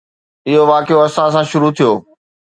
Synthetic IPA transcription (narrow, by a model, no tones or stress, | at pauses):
ɪɦoʋaːkɪjoɐsãs̬ãʃʊɾut̪ʰijoː